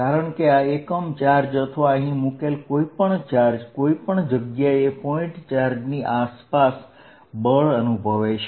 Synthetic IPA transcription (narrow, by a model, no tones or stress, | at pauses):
kaɾəɳkeaekəmt͡ʃaɾd͡ʒət̪ʰʋaəɦĩmukelkoipəɳt͡ʃaɾd͡ʒkoipəɳd͡ʒəɡjaepɔĩʈt͡ʃaɾd͡ʒniʔaspas | bəɭənubʱəʋet͡ʃʰe